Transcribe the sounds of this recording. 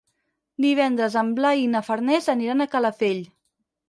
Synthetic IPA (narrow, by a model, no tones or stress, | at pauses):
d̪iβ̞ɛnd̪ɾəzəmblainəfəɾnɛzəniɾanəkələfeʎ